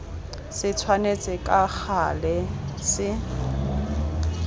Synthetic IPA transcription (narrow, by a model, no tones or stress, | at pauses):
sɪt͡sʰwanet͡sʼɪkʼak͡xʰalɛsɪ